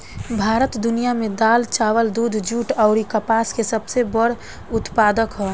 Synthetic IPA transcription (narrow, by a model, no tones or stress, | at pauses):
bʱaːɾət̪d̪ʊnijamẽd̪aːlt͡ʃaːwəld̪uːd̪ʱd͡ʒuːʈɔʊɾikəpaːskesəbsebəɽ̤ | ʊt̪paːd̪əkɦoː